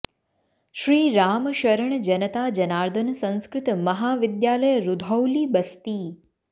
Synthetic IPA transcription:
ʃɾiːɾaːmʃəɾəɳ̃d͡ʒənət̪ad͡ʒənaːɾd̪ʱənsə̃ñskɾɪt̪mɐɦaʋɪd̪jaːləjəɾud̪ʱowliːbəst̪iː

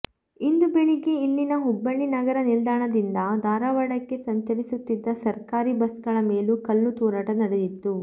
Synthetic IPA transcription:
ind̪ubeɳiɡe̞ilːinɐɦubːɐɭːinɐɡɐɾɐnild̪aːɳɐd̪ind̪ɐd̪ʱaːɾaːʋɐɽɐkːe̞sɐɲt̪ɐɾisut̪ːid̪ːɐsɐɾkaːɾibɐsɡɐɭɐme̞ːlukɐlːut̪uːɾɐʈɐnɐɽed̪it̪ːu

